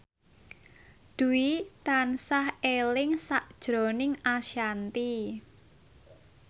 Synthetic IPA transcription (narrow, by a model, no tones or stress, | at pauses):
d̪̥uwit̪ansahelɪŋsaʔd̥ʒ̥ɾo̤nɪŋaʃjant̪i